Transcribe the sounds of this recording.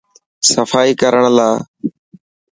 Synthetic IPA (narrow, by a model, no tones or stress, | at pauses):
səfʰaːiːkəɾəɳ̃laː